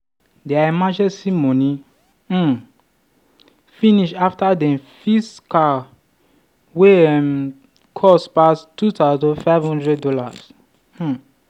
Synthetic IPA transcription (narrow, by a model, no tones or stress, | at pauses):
dɛaimad͡ʒɛ̃simɔ̃ni | finiʃaftadɛ̃mfiska | weɛm | kʰɔspastːutazɔ̃faɪvhɔ̃ndɹɛddɔla̰s̩